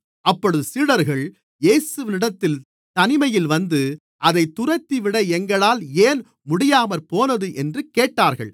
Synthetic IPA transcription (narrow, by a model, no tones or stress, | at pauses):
ʔɐpːɔɽɯðɯsiːɽɐɾɣɐɭ | jeːsɯʋɪnɪɽɐt̪ːɪl | t̪ɐnɪmɐjɪlʋɐnd̪ɯ | ʔɐðɐɪt̪ːʊrɐɪt̪ːiʋɪɽɐɛŋɡɐɭaːleːn | mʊɽɪjaːmɐɾpoːnɐðɯʔɛndrɯkeːʈːaːɾɣɐ̰ɭ